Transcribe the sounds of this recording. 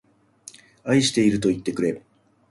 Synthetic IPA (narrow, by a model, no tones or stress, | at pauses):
aiɕi̥t̪e̞iɾɯ̟t̪o̞it̪ːe̞kɯ̟ɾe̞